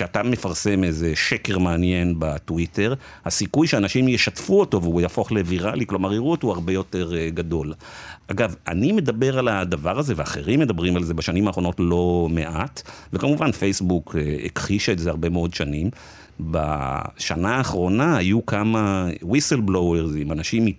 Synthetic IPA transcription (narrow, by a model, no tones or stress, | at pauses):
ʃeatame̞faʁse̞mezeʃekeʁmaːnje̞nbatwite̞ʁ | hasikujʃeanaʃimjeʃatfuoto̞veujafo̞χleviʁaliklo̞maʁiʁuotoaʁbe̞jo̞te̞ʁɡado̞lʔaɡava̰nime̞d̪abe̞ʁalad̪avaʁaze̞veaχeʁimːe̞d̪abʁimalzebaʃanimaːχʁo̞notlo̞me̞ʔatvekamuvanfejsbukʰeḛkχiʃaetzeaʁbe̞meo̞dʃanim | ba̰ʃanaːχʁo̞nahːjukamawiselbloweʁzimanaʃimi